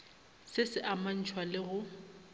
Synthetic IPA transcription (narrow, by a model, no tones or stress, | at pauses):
sɪsɪʔaman̩t͡ʃʰwalɪɣʊ